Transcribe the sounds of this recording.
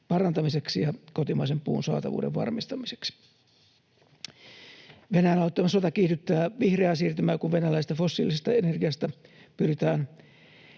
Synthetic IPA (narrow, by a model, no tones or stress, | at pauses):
pɑrɑnt̪ɑmiseksijɑkot̪imɑisempṵːnsɑ̰ːt̪ɑ̰ʋṵːdḛʋʋɑ̰rmist̪ɑmise̥ksi̥ | ʋenæjænɑˑut̪ːɑmɑsot̪ɑkiːt̪yt̪ːæːʋihreɑsiːrt̪ymæːkuʋʋenælæist̪ɑfosːḭːlisest̪ɑenerɡiɑst̪æpyrit̪æːn